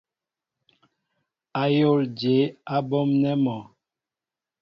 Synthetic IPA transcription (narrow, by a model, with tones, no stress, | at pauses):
a˨jo˦˨ld͡ʒe˨˦a˦bɔ˦mnɛ˦mɔ˨